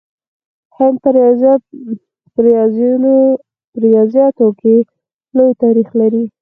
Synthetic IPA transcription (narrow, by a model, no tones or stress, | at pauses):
hamp | pɾjɑzno | ɾɪjɑzijɑt̪okʰe | lojt̪aɾixlaɾi